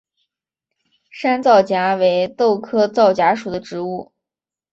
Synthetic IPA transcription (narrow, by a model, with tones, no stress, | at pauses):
ʂa˥nt͡sɑ˥˩ʊt͡ɕja˧˥we˧˥ɪt̪o˥˩ʊkʰɤ˥t͡sɑ˥˩ʊt͡ɕja˧˥ʂu˨˩d̪ə˦ʈ͡ʂɻ̩˧˥u˥˩